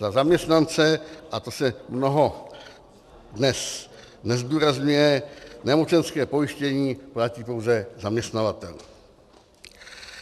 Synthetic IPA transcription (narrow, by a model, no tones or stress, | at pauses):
zazamɲɛst̪nant͡sɛʔat̪o̞sɛmnoɦo̞ | dnɛs | nɛzd̪uːɾazɲujɛnɛmo̞t͡ʃɛnskɛːpo̞jɪʃcɛɲiːplaciːpo̞wzɛzamɲɛst̪navat̪ɛ̰l